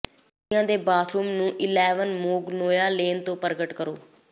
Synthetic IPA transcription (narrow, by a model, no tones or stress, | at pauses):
ãːd̪eːbaːt̪ʰɾuːmnũːʔɪlɛːʋənmoːɡnoːjaːleːnt̪õːpəɾɡəʈkəɾoː